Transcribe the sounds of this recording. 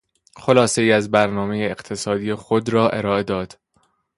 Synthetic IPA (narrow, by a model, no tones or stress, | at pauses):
xo̞lɒːse̞iːæzbæɾnɒːmejeeɢt̪ʰe̞sɒːd̪iːjexod̪ɾɒːʔe̞ɾɒːe̞d̪ɒːd̪̥